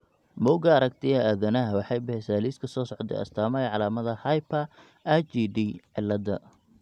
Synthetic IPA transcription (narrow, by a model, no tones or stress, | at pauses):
mɔwɡɐːɾɐɡt̪ʰɛjɐaːðɐnɐɦɐwɑħɑjbɛɛsaːliːskʰɐsɔːsɔʕd̪ɛ̰ɐ̰st̪ʰaːmɐjʕɑlaːmɐðɐhɐjpʰɐ | ʔɐt͡ʃiːdiːʕɪlːɐd̪ɐ̰